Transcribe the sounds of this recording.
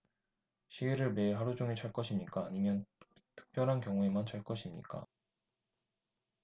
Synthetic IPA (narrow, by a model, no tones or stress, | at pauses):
ɕʰiiɾɯɭme̞iɭɦaɾud͡ʑuŋet͡ɕaɭk͈ʌɕʰimɲik͈aːɲimjʌn̥tʰɯ̥k̚p͈jʌɾɦankjʌŋue̞mant͡ɕaɭk͈ʌɕʰimɲḭk͈a̰